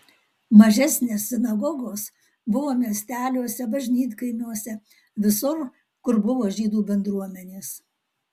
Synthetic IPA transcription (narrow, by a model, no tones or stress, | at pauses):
mɐʒʲɛsʲnʲeːsːʲɪnɐɡɔɡoːs | bʊʋoːmʲiɛsʲt̪ʲæːlʲuɔsʲɛbɐʒʲnʲiːt̪ʲkɐɪmʲuːɔsʲɛ | ʋʲɪsʊɾ | kʊɾbʊʋoːʒʲiːd̪uːbʲɛnd̪ɾuɔmʲɛnʲeːs